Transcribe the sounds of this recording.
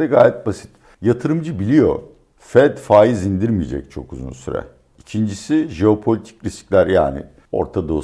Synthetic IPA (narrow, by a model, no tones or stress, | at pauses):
ɛɡaːjɛt̪̚basi̥t̪ | jat̪ʰɯɾɯmd͡ʒɯbilʲijo̞̰ɾ | fɛd̪faːjizind̪iɾmij̰d͡ʒɛ̰c̚t͡ʃʰo̞̰kuzṵnsyɾɛ̰ | icʰind͡ʒisiʒeo̞pʰo̞lʲit̪ʰi̥cɾisclʲæɾja̰ːnɪ̰ | o̞̰ɾt̪ʰad̪o̞